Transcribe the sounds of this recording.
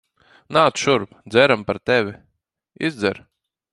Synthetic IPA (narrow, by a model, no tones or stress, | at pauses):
naːt̪ʃuɾpd̪zɛɾampaɾt̪ɛvʲi | izd̪zɛ̰ɾ